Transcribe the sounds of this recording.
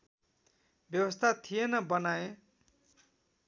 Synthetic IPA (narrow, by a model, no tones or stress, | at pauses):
bjʌwʌst̪ʰat̪ʰijenʌbʌnae